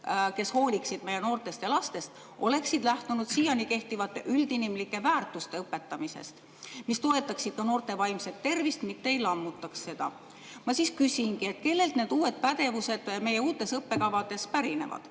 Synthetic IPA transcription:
ke̞sho̞ːlʲiksid̪̥me̞jeno̞ːrt̪e̞st̪jɑlɑst̪e̞st̪ | ʔo̞le̞ksid̪̥læht̪unud̪̥siːjɑnike̞ht̪ivɑt̪ːˑeʔyld̪inimlikːˑe̞væːrt̪ːˑust̪eɤpːe̞t̪ːɑmise̞̰st̪ | mist̪o̞e̞t̪ːˑɑksid̥̪̚kɑno̞ːrt̪e̞vɑjmse̞t̪ːe̞rvist̪mit̪ːe̞jlɑmːut̪ːˑɑksse̞d̪̥ɑ̰ | mɑsiskysʲinkie̞t̪̚ke̞lːe̞lt̪ne̞ːd̪̥uːe̞d̪̥̚pæd̪e̞vuse̞d̪̥me̞jeuːt̪ːˑe̞sɤpːe̞kɑvɑd̪̥e̞spæɾine̞̰vɑ̰d̪̥

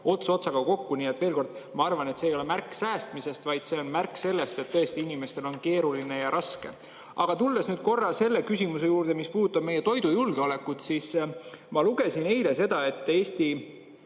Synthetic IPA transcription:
o̞t̪so̞t̪sɑɡ̥ɑko̞kːuniet̪ːˑv̥e̞ːlko̞rd̪̥ | mɑɑrvɑne̞t̪seːjo̞le̞mærkːˑsæːst̪mise̞st̪vɑjd̪̥se̞o̞nmærkːˑse̞lːe̞st̪e̞t̪ːɤest̪iinime̞st̪e̞lo̞nke̞ːɾuline̞jɑɾʔɑske̞̰ | ʔɑɡ̥ɑt̪uld̪e̞snyːd̪̥̚ko̞rːɑse̞lːe̞kys̬ʲimus̬e̞juːrd̪e̞mispuːd̪ut̪ːˑɑb̥̚me̞jet̪o̞jd̪ujulɡ̥eole̞kːut̪sismɑluɡ̥e̞sine̞jle̞se̞d̪̥ɑe̞t̪ːˑe̞ːst̪i

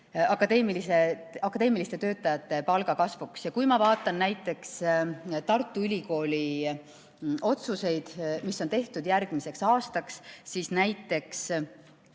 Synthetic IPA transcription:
ɑkːˑɑd̪e̞ːmiliseɑkːˑɑd̪e̞ːmilist̪e̞t̪ø̞ːt̪ːˑɑjɑt̪ːˑe̞pɑlɡ̥ɑkɑsvuksjɑkujmɑvɑːt̪ːˑɑnːæjt̪ːˑe̞kst̪ɑrt̪ˑːuylʲiko̞ːlʲi | o̞t̪suse̞jd̪̥misːo̞nt̪e̞ht̪ud̪̥jærɡ̥mise̞ksɑːst̪ɑkssiːsnæjt̪ːˑe̞ks

